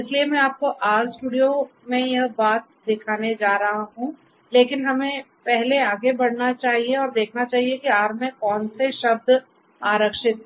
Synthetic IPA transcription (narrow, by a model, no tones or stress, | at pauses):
ɪsliemɛ̃aːp̚koʔaːɾsʈuːɽijomẽjɐɦbaːt̪̚d̪ɪkʰaːned͡ʒaːɾɐɦaɦũ | leːkɪnɦɐmẽ | pɛɦleaːɡebɐɽnat͡ʃaːɦieɔːɾd̪eːkʰnat͡ʃaːɦiekiaːɾmẽkɔːnseʃɐb̚d̪ | aːɾəkʃɪt̪̚